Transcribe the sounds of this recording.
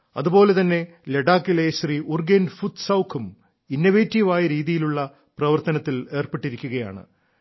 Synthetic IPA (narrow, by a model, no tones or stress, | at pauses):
ɐðubpo̞ːle̞t̪ɐnːe̞ | leɖaːkːileɕriːurɡenfut̪sɐwkʰːum | inːoʋeːtːiʋaːjɐɾiːðijiluɭːɐ | prɐʋɐrt̪ɐnɐt̪ːile̞ːrpe̞ʈːiɾikʲːuɣɐja̰ːɳɨ̰